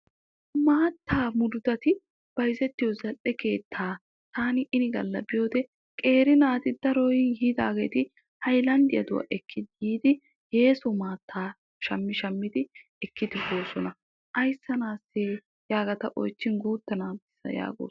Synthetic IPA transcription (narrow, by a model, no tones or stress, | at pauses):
maːt̪ːaːmʊd̪ʊd̪ɐt̪ɪ | b̥ɐjzɛt̪ːɪjɔzɐlʔɛke̞ːt̪ʰːaː | t̪aːnɪʔɪnɪɡɐlːɐbɪjo̞ːd̪ɛ | kʼe̞ːɾɪnaːt̪ɪd̪ɐɾɔjhid̪a̰ːɡeːt̪ɪ | hɐjlɐnd̪ɪjɐ̰d̪ʊwɐ̰ʔɛkʰːɪd̪jiːd̪ɪ | he̞ːsɔmaːt̪ːaː | ʃɐmːɪʃɐmːɪd̪ɪɛkːɪd̪ɪbo̞ːsɔnɐ | ʔɐjsːɐnaːsːe | jaːɡɐt̪ɐʔɔjt͡ʃːɪnɡuːt̪ːɐnaːbɪsɐ̰ja̰ːɡo̰ː